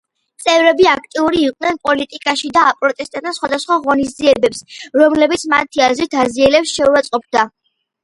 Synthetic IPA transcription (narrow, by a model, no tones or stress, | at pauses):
t̪sʼɛvɾɛbiak̚ʰt̪ʼiuɾiːqʼnɛnpʼɔlit̪ʼikʼaʃid̪aːpʼɾɔt̪ʼɛst̪ʼat̪asχwad̪asχwaʁɔnisdziɛbɛpsɾɔmlɛbit̪sʰmat̪ʰiazɾit̪ʰaziɛlɛpsʃɛuat̪sʼqʼɔp̚ʰd̪a